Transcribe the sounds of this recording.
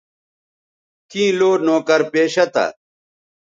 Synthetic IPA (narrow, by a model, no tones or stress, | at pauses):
kĩːloːnoːkɐɾpeːɕɐt̪ɐ̰